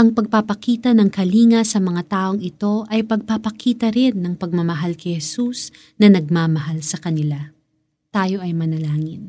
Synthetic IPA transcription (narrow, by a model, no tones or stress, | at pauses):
ʔɐŋpɐɡ̚papɐkiːt̪ɐnɐŋkɐliːŋɐsɐmɐŋat̪aːʔo̞ŋɪt̪o̞ʔɐjpɐɡ̚papɐkʰiːt̪ɐɾɪnːɐŋpɐɡ̚mɐmɐɦalkɐjhɛsus | nɐnɐɡ̚maːmɐɦalsɐkɐnɪla | t̪aːjo̞ʔɐjmɐnɐlaːŋɪn